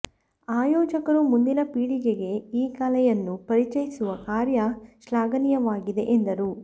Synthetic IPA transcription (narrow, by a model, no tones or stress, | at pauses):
aːjɔːd͡ʒɐkɐɾumund̪inɐpiːɽiɡeɡe̞iːkalɛjɐnːupɐɾit͡ʃɐjisuʋɐkaːɾjɐʃlaːɡɐnijɐʋaːɡid̪e̞̰ʔend̪ɐɾu